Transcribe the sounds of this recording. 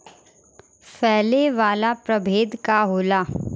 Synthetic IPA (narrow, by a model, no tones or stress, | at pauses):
fɛːleʋaːlapɾɐbʱeːd̪kaɦoːlaː